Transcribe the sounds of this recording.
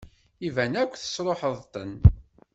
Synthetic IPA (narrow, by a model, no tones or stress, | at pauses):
ivænækʷːθə̥sɾˤoħəðˤt̪ə̰n